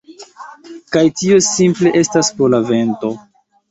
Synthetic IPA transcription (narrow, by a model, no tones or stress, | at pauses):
kajtio̞simple̞ʔe̞staspolave̞nto̞